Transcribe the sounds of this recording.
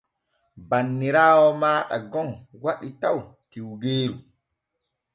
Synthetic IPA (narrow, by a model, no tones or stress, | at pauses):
banːiɾaːwɔmaːɗa̰ɡɔŋwaɗitaw | tiwɡeːɾu